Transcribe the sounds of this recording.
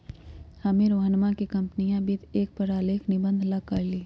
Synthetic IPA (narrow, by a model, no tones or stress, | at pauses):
hɐmẽɾoːɦənmãkikɐ̃mpnijãbit̪eːk̚pəɾaːleːkʰnɪbə̃nd̪ʱlɐɡ̚kɐɾliː